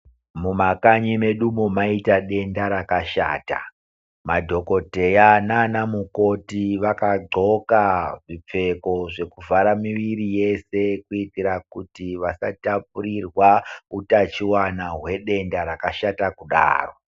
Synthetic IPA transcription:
mumakaɲime̞ɗumo̞maitaɗe̞ndaɾakaʃa̰ːta̰ | madʱo̞ko̞te̞jananamuko̞tiʋakaɡ͡ǀo̞kaʐip͡fe̞ko̞ʐe̞kuvaɾamiʋiɾije̞se̞kuitiɾakutiʋasatap̚uɾirwautat͡ʃiwanaɦwe̞ɗe̞ndaɾakaʃatakuɗa̰ːro

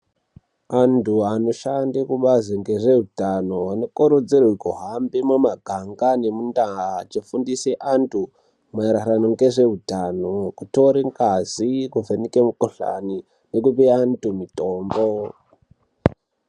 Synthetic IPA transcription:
antuano̞ʃandekuɓazeŋɡeʐe̞ɦutano̞anokoɾod͡zerwikoɦambemumaɡʱaŋɡane̞mundaɦat͡ʃifundiseʔantʰu | maɾaɾanoŋɡe̞ʐe̞utanokuto̞ɾeŋɡazikuvʱenikemukoɬa̰ni | nekupeantumitoːmbo

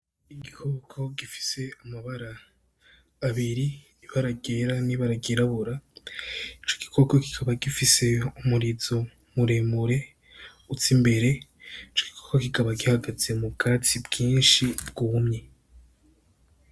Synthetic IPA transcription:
iɡihokʰo̞ɡifi̥se̞amaβaɾaː | βiɾi | iβaɾaɡeɾaniβaɾaɡeɾaβuɾa | it͡ʃo̞̥ɡ̥i̥kʰo̞koki̥kʰaβaɡifise̞umuɾizo̞ | muɾeːmuɾe̞ | ut͡simbe̞ɾe̞it͡ʃo̥ɡ̥ikʰokokikaβaɡihaɡaze̞mubɡaːt͡sibɡiːnʃib̚ɡ̥uβumɲe

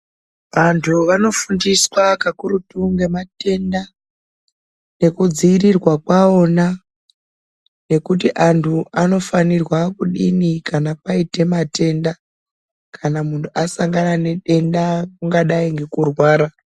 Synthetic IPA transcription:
ʋantʰuʋano̞fundiswakakuɾutuŋɡe̞mate̞nda | ne̞kud͡ziːrirwakwao̞na | ne̞kutiʔantʰuano̞fanirwakuɗḭnikanapaite̞mate̞nda | kʰanamuntʰuasaŋɡanane̞ɗe̞ndakuŋɡaɗaiŋɡe̞kurwaːɾa

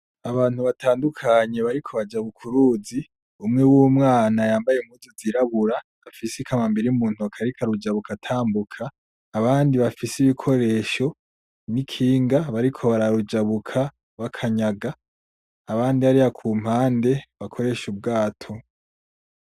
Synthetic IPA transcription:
aβaːn̥huβatʰaːndukʰaɲe̞βaɾikʰo̞βad͡ʒaβukʰuɾuːzi | umŋewuːmŋaːnajaːmbajem̥uzoziɾaβuɾaː | fisikʰamambiɾiumuːn̥uakʰaɾikʰaɾud͡ʒaβukatʰaːmbukʰaː | βaːndiβafisiβikʰo̞ɾe̞ːʃo̞ | nikʰiːŋɡaβaɾikʰo̞βaɾaɾud͡ʒaβukʰa | βakʰaɲaɡaː | βaːndiaɾihakʰuːm̥haːnde̞βakʰo̞ɾe̞ːʃub̚ɡaːtʰo̞

